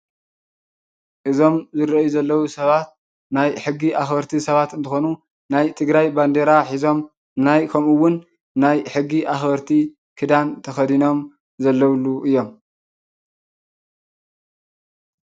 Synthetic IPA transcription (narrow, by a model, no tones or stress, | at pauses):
ʔɨzo̞mzɨɾɐjuzɐlːɐwusɐβat̪̚ | najħɨɡːiʔaxbɐɾt̪ʰisɐβat̪ɨnt̪ʰɨxo̞nu | najt̪ʰɨɡɾajband̪eɾaħizo̞m | najkʰɐmuwːʊnː | ajħɨɡːiʔaxbɐɾt̪ʰi | kʰɨd̪ant̪ʰɐxɐd̪ino̞m | zɐlːɐwluʔɨjːo̞m